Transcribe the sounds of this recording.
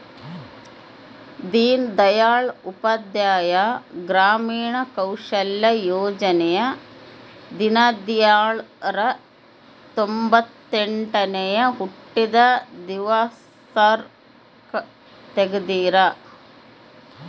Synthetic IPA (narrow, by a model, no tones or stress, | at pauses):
d̪iːnd̪ɐjaːɭupɐd̪jaːjɐɡɾaːmiːɳɐkɐwʂɐljɐjoːd͡ʒɐnejɐ | d̪inɐd̪jaːɭɾɐ | t̪ombɐt̪ːeɳʈɐnejɐɦuʈːid̪ɐd̪iʋas | ɐɾ | k | t̪eɡɐd̪iːɾɐ